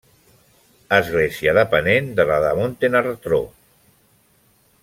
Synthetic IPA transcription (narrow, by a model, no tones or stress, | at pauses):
əzɣleziəðəpənend̪əlaðəmont̪enart̪ɾo̰